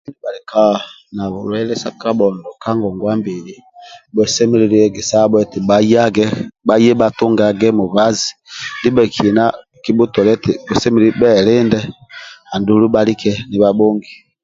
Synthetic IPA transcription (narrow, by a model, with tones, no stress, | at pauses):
ba˨lɛ˨ka˦˨ | na˨βu˨lwɛ˦lɛ˦sa˦ka˦ɓɔ˨ndɔ˨ka˦ŋɡɔ˨ŋɡwa˦mbi˨li˨ | bɛ˨sɛ˦mi˦ɾi˨˦ɾi˦ɛ˦ɡi˨sa˦ɓɛ˦ti˨ɓa˨ja˦ɡɛ˦ba˨jɛ˦ɓa˨tu˦ŋɡa˨ɡɛ˦mu˨βa˦zi˨ndi˦ɓɛ˨kʰi˨i˨na˦ | ki˦bu˦tɔ˨lɛ˦ti˨bɛ˨sɛ˦mi˦ɾi˦bɛ˦˨lɪ˦ndɛ˦a˨ndu˨lu˦ba˦li˦kɛ˦ni˨βa˦ɓo˦ŋɡi˨